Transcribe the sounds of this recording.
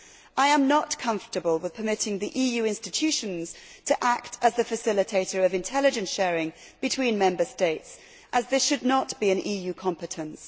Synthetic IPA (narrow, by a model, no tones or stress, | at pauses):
ʔaɪə̃mnəʔkʰʌ̃ɱftəbəlˠwɪð̥pʰəmɪtɪ̃ŋðiʔijʉɪ̃nstɨtʰʉʃə̃nz̥tʰəʔak̚tʰəzðɨfɨsɪlˠɨtʰeɪtə˞ʌvɨ̃ntʰɛlˠɨd͡ʒɨ̃nsʃɛːɹɪ̃ŋ | b̥ɨtʰw̥ĩnmɛ̃mbəsteɪts | ʔəzðɪʃɨdⁿnətb̥iɨ̃nʔiːjʉkʰɑ̃mpɨtʰə̃ns